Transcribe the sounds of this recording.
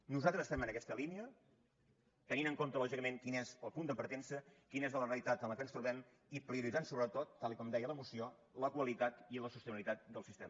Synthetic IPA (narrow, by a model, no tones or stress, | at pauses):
nuzalˠt̪ɾəzst̪ɛmənəkɛst̪əliniə | t̪əninəŋkont̪əlɔʒikəmeŋkinezəlˠpund̪əpəɾt̪ɛnsəkinezðələrəlit̪at̪ənləkənst̪ɾuβɛm | ipɾiuɾidd͡zansoβɾət̪ot̪ːalˠikɔmd̪ɛjələmusio | ləkwəlit̪at̪iləsust̪ənilit̪at̪̚d̪əlˠsist̪emə